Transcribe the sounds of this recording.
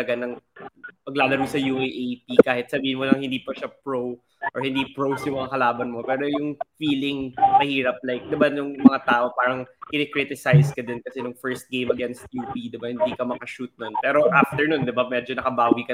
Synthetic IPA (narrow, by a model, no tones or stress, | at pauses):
ɐɡanɐŋmɐɡ̚laːlɐɾowsɐjuʔejʔejpikaːhɪt̪̚sɐbiːhɪnmonɐŋhɪnd̪iːpɐʃapɹow | ʔɔɹhɪnd̪iːpɹowsjʊŋmɐŋakɐlaːbɐnmo̞pɛːɾo̞jʊŋfiːlɪŋmɐhiːɾɐp̚lajk̚d̪ɪbanʊŋmɐŋat̪aːʔo̞paːɾɐŋkɪnɛkɾɪt̪ɪsajskɐd̪ɪnkɐsɛnʊŋfɛɹst̪̚ɡejmɐɡɛnst̪̚juːpid̪ɪbahɪnd̪iːkɐmɐkɐʃut̪̚nonpɛːɾo̞ʔaft̪ɛɹnund̪ɪbamɛd͡ʒonɐkɐbaːwikɐ